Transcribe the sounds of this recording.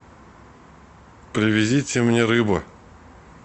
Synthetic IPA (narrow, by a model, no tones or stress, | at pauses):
pɾʲɪvʲɪzʲitʲɪmnʲeɾɨbə̰